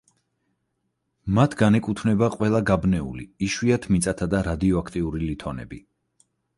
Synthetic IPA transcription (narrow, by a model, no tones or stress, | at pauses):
mat̪ʰɡanɛkʼut̪ʰvnɛbaqʼwɛlˠaɡabnɛṵlḭiʃwiat̪ʰmit̪sʼat̪ʰad̪aɾad̪iɔakʰt̪ʼiuɾilit̪ʰɔnɛ̰bi